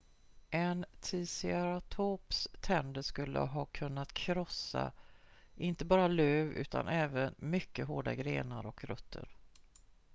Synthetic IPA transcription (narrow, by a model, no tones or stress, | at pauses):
ʔɛnt̪ʰiːsɪaɾat̪ʰoːpst̪ʰɛnd̪əʂkɵlːʔə̰ɦɑːkʰɵnːat̪kʰɾɔsːa̰ | ʔɪnt̪əbɑːɾaløːvʉ̟ːt̪ʰa̰nʔɛːvənmʏkːəɦoːɖaɡɾeːnaɾɔkɾɵt̪ʰːə̰ɾ